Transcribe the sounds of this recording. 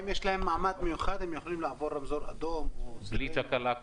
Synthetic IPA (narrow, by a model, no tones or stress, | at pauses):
mjeːʃlahɪmːaʕmaːd̪mɪjuxaːd̪ɪmjexlːiːmlaʕboːɾˤɑmzoːɾʔad̪oːmwsliːt͡ʃakala